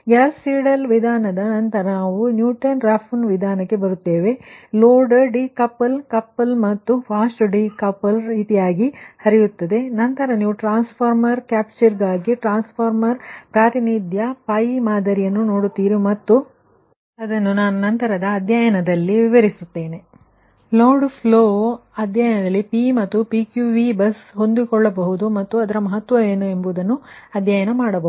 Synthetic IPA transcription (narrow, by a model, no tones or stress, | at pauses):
ɡɐlsiːɽɐlʋid̪ʱaːnɐd̪ɐnɐnt̪ɐɾɐnaːʋunjuːʈɐnɾaːpʰunʋid̪ʱaːnɐkːe̞bɐɾut̪ːe̞ːʋe̞loːɖɐɖikɐpːɐlkɐpːɐlmɐt̪ːupʰaːsʈɖikɐpːɐlit̪ijaːɡihɐɾijut̪ːɐd̪e̞nɐnt̪ɐɾɐniːʋuʈɾaːnspʰaːɾmɐɾkaːp̚t͡ʃɐɾɡaːɡiʈɾaːnspʰaːɾmɐɾpɾaːt̪inid̪jɐpaːjimaːd̪ɐɾijɐnːuno̞ːɽut̪ːiːɾimɐt̪ːu | ɐd̪ɐnːunaːnunɐnt̪ɐɾɐd̪ɐːd̪jaːjɐnɐd̪ɐlːiʋiʋɐɾisut̪ːe̞ːne̞ | loːɾɖpʰloːɐd̪jaːjɐnɐd̪ɐlːipimɐt̪ːupiːkjuʋibɐsɦo̞nd̪ikɔɭːɐbɐɦud̪umɐt̪ːuɐd̪ɐɾɐmɐɦɐt̪ʋɐʋeːnue̞mbud̪ɐnːuɐd̪jaːjɐnɐmaːɽɐbɐ